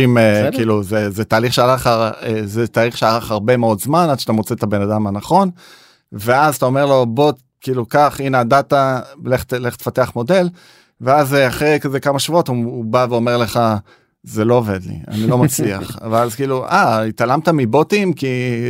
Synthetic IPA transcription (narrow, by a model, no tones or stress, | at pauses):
imekiːluzezetaːliχʃealaχaʁezet̪aːliχʃealaχaʁbe̞meo̞dzmanadʃat̪amot͡set̪abe̞nad̪amhanaχo̞n | ve̞azat̪ao̞me̞ʁlo̞bo̞t | kiːlukaχineadat̪aleχtleχt̪e̥fateaχmo̞de̞l | veazeaχʁekazekamaʃvuo̞tuːbaveo̞meʁle̞χa | zelo̞ove̞d̪lḭa̰nilo̞mat͡slia̰χχveazkiːluʔait̪alamt̪amibot̪imki